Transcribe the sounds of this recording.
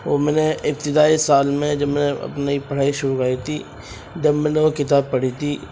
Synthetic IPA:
omɛːneɪp̚t̪ɪd̪aːisaːlmẽd͡ʒɐbmɛneɐ̰pnaipɐɽ̤aːiʃʊɾukaːit̪ʰi | d͡ʒɐbmɛ̃ːneʋokɪt̪aːb̚pɐɽ̤it̪ʰiː

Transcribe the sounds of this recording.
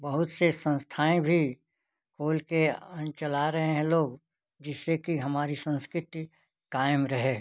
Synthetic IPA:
bɐɦʊt̪sesə̃nst̪ʰaːẽbʱi | kʰoːlkeə̃t͡ʃɐlaɾɐɦẽɦɛ̃loːɡ | d͡ʒɪsekiɦɐmaːɾisə̃nskɾɪt̪i | kaːɪmɾɐɦeː

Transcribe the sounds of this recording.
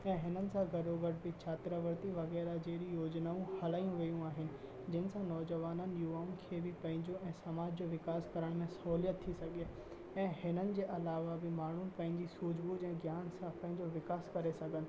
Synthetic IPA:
ɛ̃ːɦɪnənɪ̆sãɡʱɐɖoɡəʈbɪt͡ɕʰaːt̪ɾəʋəɾt̪iʋɐɣɛːɾad͡ʑeːɾijoːd͡ʑnaːũhɐlaːijũʋijũaːɦɪnɪ̆ | d͡ʑɐɪnɪ̆sãnɔːd͡ʑəʋaːnənɪ̆juːaːʊmkʰeːbɪpɐ̃ɦɪ̃ɲd͡ʑoɛ̃ːsɐmaːd͡ʑd͡ʑoːʋɪkaːskɐɾəɽ̃mẽsɐɦuːlijət̪ʰːisɐɡʱe | ɛ̃ːhɪnənɪ̆d͡ʑeːʔɐlaːʋabɪmaːɳ̤upɐ̃ɦɪ̃ɲd͡ʑisuːd͡ʑbud͡ʑɛ̃ːɡjaːnsãpɐ̃ɦɪ̃ɲd͡ʑoʋɪkaːskɐɾesɐɡʱənɪ̆

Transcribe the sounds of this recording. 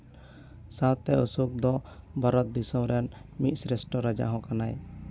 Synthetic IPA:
sat̪ɛusuk̚d̪ɔbaɾɔt̪̚d̪isɔmɾɛnmit̪̚sɾɛsʈɔɾad͡ʒa̰ɦɔ̃kanaj

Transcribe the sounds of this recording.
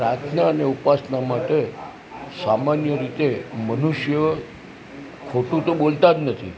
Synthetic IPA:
pɾat̪ʰnaəneupasnamaʈe | samanjəɾit̪emənuʃjə | kʰoʈũt̪õbolt̪ad̪nət̪ʰḭ

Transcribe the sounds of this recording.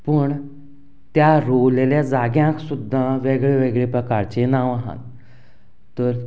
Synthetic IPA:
pəɳ | t̪jaɾowleljad͡zaɡjãksud̪ʱːãʋeɡɭeʋeɡɭepɾəkaɾt͡ɕenãʋaɦã̰ | t̪əɾ

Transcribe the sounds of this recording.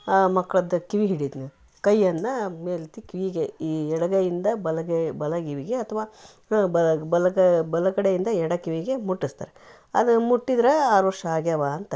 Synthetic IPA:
mɐkːɐɭɐd̪ɐkiʋiɦiɽid̪ni | kɐjːɐnːɐmeːlit̪ikiʋiɡeiɛɽɐɡɐjind̪ɐbɐlɐɡebɐlɐɡiʋiɡeɐt̪ʰːɐʋaː | bɐbɐlɐɡɐbɐlɐɡɐɽejind̪ɐɛɽɐkiʋiɡe̞muʈːist̪a̰ːɾe | ɐ̰d̪ɐmuʈːid̪ɾeaːɾʋɐɾʂɐaːɡjɐʋaːɐnt̪ɐ

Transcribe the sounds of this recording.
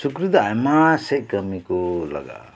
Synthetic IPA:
sukɾud̪ajmasekəmikolʌ̰ɡa̰

